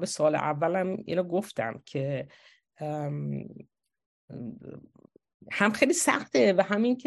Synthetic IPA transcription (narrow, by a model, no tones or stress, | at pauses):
besɒːlḛʔævːælæmḭːnoɡoft̪æ̰mcʰe | hæmxejliːsæ̰xt̪evæɦæminkʰe